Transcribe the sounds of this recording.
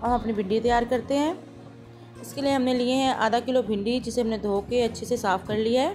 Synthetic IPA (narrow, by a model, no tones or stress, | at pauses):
ɦɐmɐpnibʱɪ̃ɳɖit̪̬ɐjaːɾkɐɾt̪eɦɛ̃ː | ɪskelijeɦɐmnelieɦɛ̃ʔa̰ːd̪akɪlobʱɪ̃ɳɖid͡ʒɪseɦɐmned̪ʱoːkeɐtːʃʰesesaːpʰkɐɾlijaɦɛː